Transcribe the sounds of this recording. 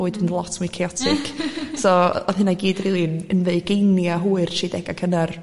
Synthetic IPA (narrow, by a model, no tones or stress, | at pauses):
oːɨdnlˠɔtʰmuikʰeɔtʰɪkʰsɔɔðhɪnaɡiːdriːlˠinənveɨɡ̥ejnjaɦuːɨrʃidɛɡakʰənar